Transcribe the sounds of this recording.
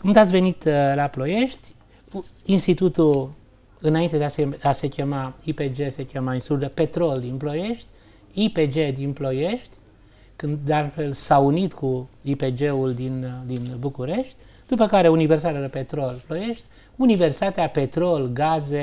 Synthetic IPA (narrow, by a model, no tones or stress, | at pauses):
kumd̪at̪sʲve̞nit̪laplo̞je̞ʃt̪ʲ | inst̪it̪ut̪u | ɨnaint̪e̞d̪easease̞kʲe̞maipe̞d͡ʒe̞se̞kʲemainsuld̪əpe̞t̪ɾo̞ld̪inplo̞je̞ʃt̪ʲ | ipe̞d͡ʒe̞d̪inplo̞je̞ʃt̪ʲ | kɨnd̪d̪ealfe̞lsaunit̪kuipe̞d͡ʒe̞uld̪ind̪inbukuɾe̞ʃt̪ʲ | d̪upəkaɾe̞universit̪at̪eɾəpe̞t̪ɾo̞lplo̞je̞ʃt̪ʲ | universi̥t̪at̪eape̞t̪ɾo̞lɡaze̞